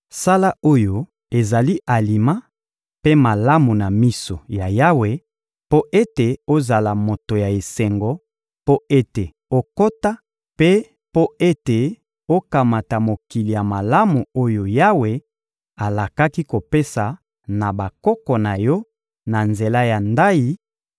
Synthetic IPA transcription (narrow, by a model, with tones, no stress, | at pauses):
sa˦la˦o˦jo˨ | e˨za˨li˦ʔa˨li˨ma˦ | pe˦ma˨la˦mu˨na˨mi˦so˨ja˨ja˦we˨ | po˦ʔe˦te˨o˦za˨la˨mo˨to˨ja˨e˨se˨ŋɡɔ˨ | po˦e˦te˨ | o˦ko˦ta˦ | pe˦ | po˦e˦te˨ | o˦ka˨ma˨ta˨mo˨ki˨li˨ja˨ma˨la˦mu˨o˦jo˨ja˦we˨ | a˨la˨ka˦ki˦ko˨pe˦sa˨ | na˨ba˨kɔ˦kɔ˨na˨jɔ˦ | na˨nze˨la˦ja˨nda˦i˦